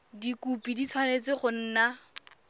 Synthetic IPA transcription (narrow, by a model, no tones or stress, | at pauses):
dikupidit͡sʰwanet͡sɪχʊn̩ːna